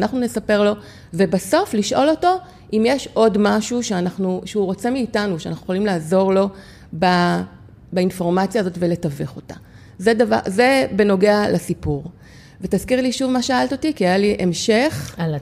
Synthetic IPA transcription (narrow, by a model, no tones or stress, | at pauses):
naχnunesape̞ʁlo̞ | ve̞baso̞fliʃʔo̞lo̞to̞ | ʔimjeʃʔo̞dmaʃuʃeanaχnuʃeuʁo̞t͡se̞miːtanuʃea̰naχujeχolimlaːzo̞ʁlo̞ | ba | bainfo̞ʁmat͡sjaːzo̞tve̞le̞taveχo̞ta̰ | zedavaze̞be̞no̞ɡe̞alasipuʁ | ve̞taz̥kiʁliʃuvmaʃeaalt̪otikiajaliʔemʃeχ